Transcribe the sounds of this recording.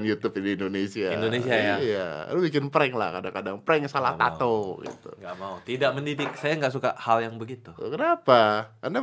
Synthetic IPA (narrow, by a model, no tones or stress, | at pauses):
njut̪ʊpindiːndonesiaindones̬iajaija̰a̰lubikɪnpəɾɛŋla̰hkadaŋkadaŋpəɾɛŋsala̰ht̪a̰t̪oɡḭt̪ṵŋɡaʔmaut̪idaʔ̚məndidɪk̚sajaŋɡaʔsukaʔhaljaŋbəɡit̪ukənapaanda